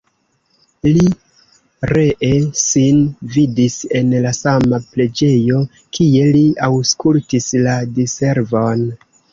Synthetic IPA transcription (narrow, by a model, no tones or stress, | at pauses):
li | ɾe̞ʔe̞sinvidise̞nlasamaple̞d͡ʒe̞jo̞ | kie̞liawskultisladise̞ɾvo̞n